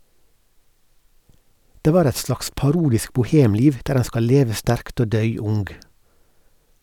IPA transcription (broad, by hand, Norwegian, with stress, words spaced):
ˈdeː ˈʋɑːɾ ˈɛt ˈslɑːks pɑˈɾuːdɪsk bʊˈheːmˌliːʋ ˈdæːɾ ˈæɪn ˈskɑl ˈleːʋə ˈstæɾkt ˈoː ˈdœʏ ˈʊŋɡ